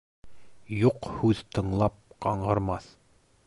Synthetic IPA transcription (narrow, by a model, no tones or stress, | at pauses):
juqhʉðt̪ɤ̆ɴlˠɑp̚qɑɴɢɤ̆ɾmɑθ